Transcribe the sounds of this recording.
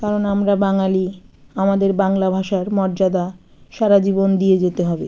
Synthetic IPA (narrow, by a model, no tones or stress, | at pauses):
kaɾonamɾabaŋaliamad̪eɾbaŋlabʱaʃaɾmɔɾd͡ʑad̪a | ʃaɾad͡ʑibond̪ied͡ʑet̪eɦɔbe